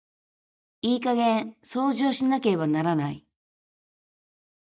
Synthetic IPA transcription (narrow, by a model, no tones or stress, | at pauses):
iːkaɡẽ̞ɰ̃so̞ːʑo̞ːɕinake̞ɾe̞βanaɾanaḭ